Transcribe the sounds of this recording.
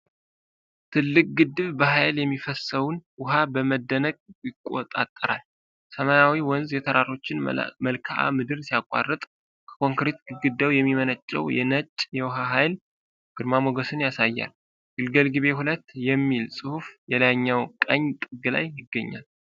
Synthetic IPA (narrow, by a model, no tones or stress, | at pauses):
t̪ʰɨlːɨkʼɡɨd̪ːɨβbəɦajljɛmːifəsəwʊnwʊɦabəməd̪ːənəkʼjɪkʼːo̰t̪ʼat̪ʼːəɾa̰l | səmajawiwɔnzjɛt̪ʰəɾaɾo̞t͡ʃːɪnməlkʰaʔa̰mɨd̪ɨɾsijakʼa̰rːɨt̪ʼ | kʰə̥kʰo̞ŋkɾe̞t̪ɡɨɡɨd̪ːəwjɛmːimənət͡ʃʼːɛ̰wjɛ̰nət͡ʃʼːjɛwɦaɦajl | ɡ̥ɨɾmamoɡəsɨnjasajːa̰l | ɡ̥ɨlɡəlɡɨβe̞hulət̪ːjɛmːilsʼɨhufjɛlaɲːawkʼəɲt̪ʼɨɡɨla̰jːɪɡːəɲːa̰l